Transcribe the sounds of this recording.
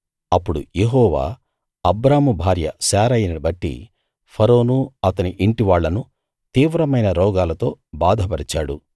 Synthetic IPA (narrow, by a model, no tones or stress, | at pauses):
ɐpːuɽṵjeɦɔːʋa̰ː | ɐbɾaːmubʱaːɾjɐ̰saːɾɐjɐnɐbɐʈːḭ | pʰɐɾo̞ːnuɐt̪ɐniʔiɳʈiʋaːɭːɐnu | t̪iːʋɾɐmɐjnɐɾɔːɡaːlɐt̪o̞ːbaːd̪ʱɐpɐɾit͡ʃaːɽṵ